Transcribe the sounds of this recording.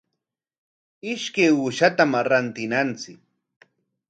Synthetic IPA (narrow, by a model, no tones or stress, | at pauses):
ɪʃkajʊʃat̪amaɾant̪ɪnant͡sɪk̚